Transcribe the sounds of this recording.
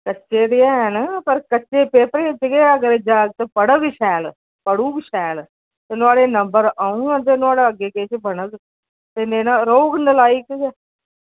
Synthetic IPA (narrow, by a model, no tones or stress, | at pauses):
kətːʃeːd̪iɛːɦɛnpəɾkətːʃeːpeːpəɾeːt͡ʃɪɡeːəɡəɾeːd͡ʒaːɡt̪əpəɽəɡɪʃɛːl | pəɽũːbɪʃɛːl | t̪eːnʊaːɽeːnəmbəɾaːũːɛ̃ːt̪̬eːnʊaːɽaːəɡeːkeːt͡ʃbənəɡ | t̪eneːnaɾoːɡnəlaːiːkɡɛː